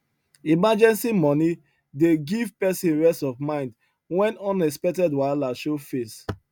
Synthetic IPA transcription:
imad͡ʒɛ̃nsimɔni | deɡivpɛsĩnɹɛstɔvmãɪ̃nd | wɛ̃nɔ̃nɛs̬pɛk̚tɛdwalaʃofes

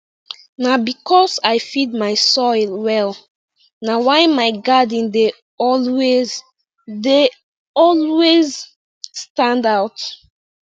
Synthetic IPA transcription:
nabikʰɔsajfid̚maɪsɔɪlˠwɛl | nawaɪmaɪɡadĩnde | ɔlwez | de | ɔlwez | stãndaʊt

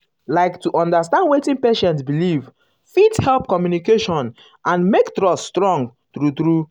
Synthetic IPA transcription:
laɪktuʔɔ̃ndastãndwetɪ̃npeʃɛ̃ntsbiliv | fidhɛlp̚kɔmjunikeʃɔ̃n | ʔãnmektɹɔsstɹɔ̃ŋɡtɹutɹu

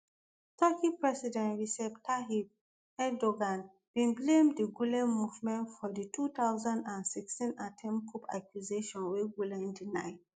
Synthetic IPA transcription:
tʰakipɹɛsidɛ̃nɹisɛptʰaɦib̚ | ɛdoɡãn | b̥ĩnblẽmdiɡulɛ̃nmuvmɛ̃ntfɔditʰutaʊzãndãnsikstĩnatʰɛ̃mkʰupʰa̰kʰjuzeʃɔ̃nweɡulɛ̃ndinaɪd

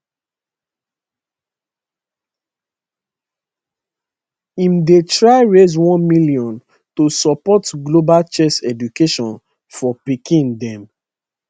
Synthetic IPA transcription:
ĩmdetɹaɪɹezwɔ̃nmiliɔ̃n | tosɔpɔtɡlobalt͡ʃɛsɛdukeʃɔ̃n | fɔpikĩndɛ̃m

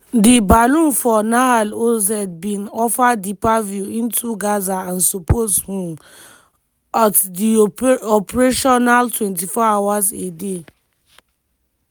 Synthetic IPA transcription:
dibalũmfɔnaalozɛd̚bĩnɔfadipavjuĩntʰuɡazaãnsopʰothũm | atdiɔpɾeʃɔnaltwɛ̃ntifɔawazḛde

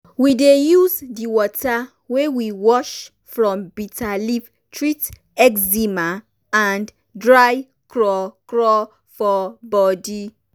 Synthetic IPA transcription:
widejuzdiwɔta | wewiwɔʃ | fɾɔ̃mbitalip | tɹit | ɛkzima | ãnd | dɾaj | kɾɔkɾɔ | fɔbɔdi

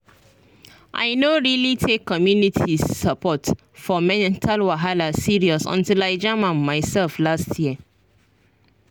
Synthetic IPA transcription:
ʔa̰ɪnoɹilitʰekʰːɔmjunitʰizːapʰɔt | fɔmɛ̃nntʰalwaɦalasiɹiɔsɔ̰̃ntilaɪd͡ʒamãnmaɪsɛlflastʰjiə

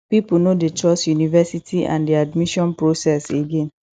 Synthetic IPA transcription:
pipunodet͡ʃɔsjunivɛsitʰiʔã̰ndiadmiʃɔ̃npɹosɛseɡẽn

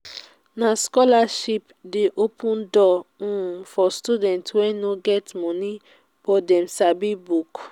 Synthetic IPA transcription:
nãskɔlaʃip | deʔopʰũndɔũfɔstudɛ̃ntwɛnoɡɛtmɔ̃nĩ | b̥ɔdɛ̃msabibuk

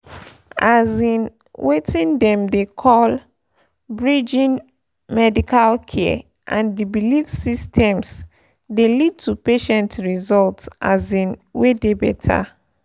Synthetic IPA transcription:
azĩn | wetĩndɛ̃mdekʰɔl | bɹid͡ʒĩn | mɛdikʰalkʰɛ | ʔãndibilifsistʰɛ̃ms | delid̚tupeʃɛ̃ntɹizɔltsʔa̰zĩnwedebɛ̰tʰa̰

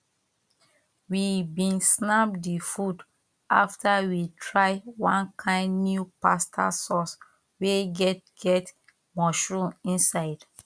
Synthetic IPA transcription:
wibĩnsnap̚difud | ʔa̰ftawitʰɹaɪwãnkʰãɪ̃ndnjupastʰa̰sɔs | weɡɛtɡ̥ɛt | mɔʃɹũĩnsaɪd̥

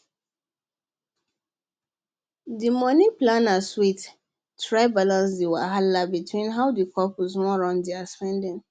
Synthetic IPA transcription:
dimɔniplãnaswit | tɹaɪbalãnsdiwaɦalabitʰwĩnɦaʊdikʰɔpɔsmɔɹɔ̃ndeaspɛ̃ndɪ̃n

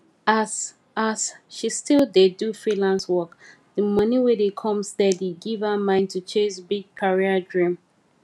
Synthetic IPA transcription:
asʃistilˠdedufɹilãnswɔk | ðəmʌniwedekʰɔ̃mstɛdiɡivəmãɪ̃ntʰut͡ʃʰẽsbiɡ̚kʰaɹiədɹĩm

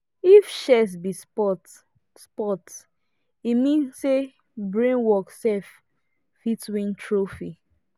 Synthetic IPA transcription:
ifʃɛs̬bispɔt | spɔt | imĩnse | bɹẽnwɔksɛf | fitwĩntʰɹofi

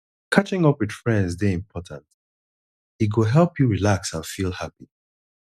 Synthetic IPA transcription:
kʰat͡ʃɪ̃ŋʌpwɨd̥fɹɛ̃ndzdeĩmpʰɔtʰãnt | iɡoɦɛlˠpjuɹilaksãnfilˠhapi

